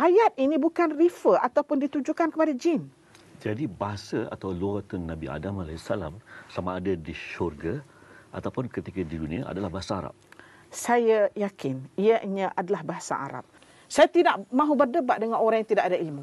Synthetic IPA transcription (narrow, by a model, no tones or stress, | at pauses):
ʔajat̪̚inĩbukanrifəat̪awpʊndit̪uɲd͡ʒukankəpadad͡ʒɪn | d͡ʒadibaɦasaa̰t̪awluat̪əŋnabia̰damalaisala̰msamaːdadiʃɔrɡaa̰t̪awpʊnkət̪ikədidunĩaʔa̰dalahbaɦasaaɾa̰p̚ | sajajakɪnijaʔiɲə̃ʔadalahbaɦasa̰ʔa̰ɾa̰p̚ | sajat̪idaʔmãɦubərdəbaʔ̪̚dəŋanoɾaŋjat̪idaʔadailmu